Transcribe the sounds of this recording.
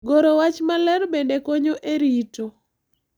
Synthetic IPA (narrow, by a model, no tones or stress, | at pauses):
ɡoɾowat͡ʃmalɛɾbendekoɲoʔeɾito